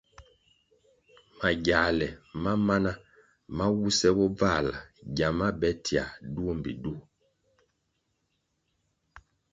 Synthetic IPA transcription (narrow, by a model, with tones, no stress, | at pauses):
ma˨ɟa˨lɛ˨ma˦ma˦na˦ | ma˦wu˦sɛ˦bɔ˦b͡va˦˨la˨ɟa˨ma˦bɛ˦tʰi˨a̰˨du˦o˦m˨bi˨du˦˨